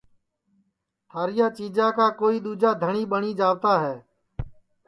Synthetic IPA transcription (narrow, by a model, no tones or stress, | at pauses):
t̪ʰaːɾɪjãːt͡ʃiːd͡ʒãːkaːkoːiːɗ̪uːd͡ʒaːd̪ʱəɳiːɓəɳiːd͡ʒaːʋt̪aːɦɛː